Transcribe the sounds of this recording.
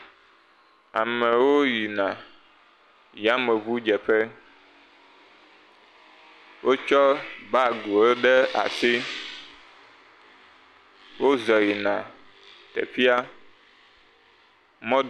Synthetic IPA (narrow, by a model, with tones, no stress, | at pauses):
a̰˨mɛ˨wo˦ji˨nã˨ | ji˨a˦mɛ˨βu˦d͡ʒɛ˨ɸɛ˦ | wʔo˦t͡ʃɔ˦ba˦ɡu˨e˦ɖɛ˦a̰˨si˦ | wo˦zɔ˨ji˨nã˨ | t̪ɛ̰˨ɸi˦a˦ | mɔ̃˦